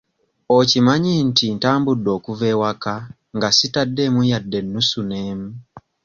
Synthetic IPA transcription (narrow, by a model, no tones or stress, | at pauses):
ocimaɲintintaːmbudːo̞kuvewaka | ŋɡasitadːemujadːe̞nːusuneːmu